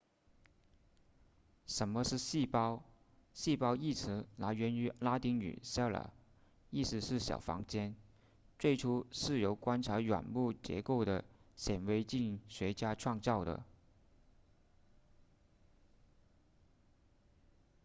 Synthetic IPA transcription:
ʂə˧˥nmə˧ʂɻ̩˥˧ɕi˥˩pɑ˥ʊ | ɕi˥˧pɑ˥ʊi˥˩t͡sʰɻ̩˧˥na˧˥ɥɛ˧˥ny˧˥la˥t̪i˧˥ŋny̰˨˩ɕjɑ˥˩la̰˨˩ | i˥˩sɹ̩˧˥ʂɻ̩˥˩ɕjɑ̰˨˩ʊfɑ̰˧˥ŋt͡ɕjɛ˥n | t͡swe˥˩ɪʈ͡ʂʰu˥ʂɻ̩˥˩jo˧˥ʊkwa˥nʈ͡ʂʰa˧˥ɥa̰˨˩nmu˥˩t͡ɕjɛ̰˧˥ko˥˩ʊɾə˩ɕjɛ˨˩nwe˧˥ɪt͡ɕi˥˩ŋɕɥɛ˧˥t͡ɕja˥ʈ͡ʂʰwɑ˥˧ŋt͡sɑ˥˩ʊɾə̰˩

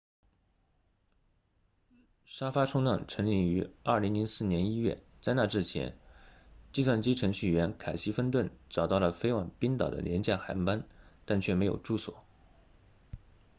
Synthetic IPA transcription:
ʂa˥fa˥ʈ͡ʂʰʊ˥ŋlɑ˥˩ŋʈ͡ʂʰɤ˧˥ŋli˥˩ŋy˧˥ɐ˞˥˩li˧˥ŋli˧˥nsɹ̩˥˩njɛ˧˥ni˥ɥɛ̰˥˩ | t͡sa˥˧ɪna˥˧ʈ͡ʂɻ̩˥˩t͡ɕʰjɛ̰˧˥n | t͡ɕi˥˧swa˥˩nt͡ɕi˥ʈ͡ʂʰɤ˧˥ŋɕy˥˩ɥɛ˧˥nkʰa˨˩ɪɕi˥fə˥˧nt̪wə˥˩nʈ͡ʂɑ˨˩ʊt̪ɑ˥˩ʊlə˩fe˥ɪwa˨˩ŋpi˥ŋt̪ɑ̰˨˩ʊd̪ə̰˦ljɛ˧˥nt͡ɕja˥˩xa˧˥npa˥nt̪a˥˧nt͡ɕʰɥɛ˥˩me˧˥ɪjo̰˨˩ʊʈ͡ʂu˥˩swɔ̰˨˩˦

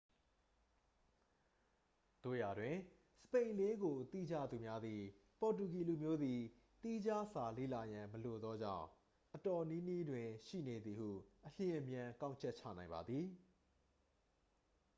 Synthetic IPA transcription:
d̥o˨ja˨dwɪ̃˨ | sə̥pẽ˨ɪ̃le˦ɡo˨t̪ḭ˦˨d͡ʑa̰˦˨d̪u˨mja˦d̪i˨ | pɔ˨t̬u˨ki˨lu˨mjo˦d̪i˨ | t̪i˦d͡ʑa˦sa˨lḛ˦˨la˨jã˨məlo˨d̪ɔ˦d͡ʑã̰˦˨ʊ̃ | ʔətɔ˨ni˦ni˦dwɪ̃˨ʃḭ˦˨ne˨d̪ði˨hṵ˦˨ʔəl̥jɪ̃˨ʔəmjã˨kã˦ʊ̃ɲt͡ɕʰɛ˦ʔ̚t͡ɕʰä̰˦˨nã˨ɪ̃mba˨d̪ði˨

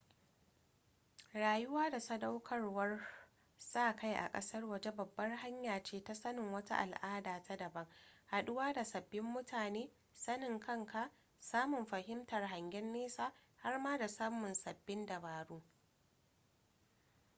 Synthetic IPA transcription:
ɾaː˨jʊ˦waː˦da˨sɐ˦da˦wkʰɐ˦rwɐ˦r | saː˦˨ka˦jʔa̰˨kʼɐ̰˦sɐ˦rwɐ˨d͡ʒe˦bɐ˨bːɐ˦rɦa˦ɲjaː˨t͡ʃeː˦ta˦sɐ˦nɪ˨ŋwɐ˦ta̰˦ʔa̰˨lʔaː˦daː˨tʰa˦dɐ˨bɐ˦ŋha˨ɗʊ˦waː˦da˨sɐ˨bːɪ˦mːʊ˦taː˨neː˦ | sɐ˦nɪ˨ŋkʰɐ˦ŋkʰa˨ʔ | saː˦mʊ˨mɸɐ˨ɦɪ˦mtɐ˨rɦa˨ŋɡʲɛ˦nːeː˦saː˦˨ha˦rmaː˦da˨saː˦mʊ˨nsɐ˨bːɪ˦ndɐ˨baː˨ɽuː˦

